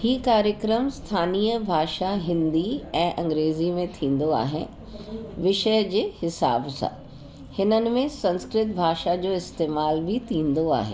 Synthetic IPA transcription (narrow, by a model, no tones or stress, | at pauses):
hiːkaːɾjəkɾəmst̪ʰaːniːjəbʱaːʃaɦɪ̃nd̪iɛ̃ːʔɐ̃ŋɡɾeːzimẽt̪ʰĩːn̆d̪oa̰ːɦɪnɪ | ʋɪʃəjəd͡ʑeːhɪsa̰ːbsã̰ | hɪnənɪ̆mẽsɐ̃nskɾɪt̪̚bʱaːʃad͡ʑoːɪst̪eːmaːlbʱɪt̪ʰĩːnd̪oa̰ːɦḛː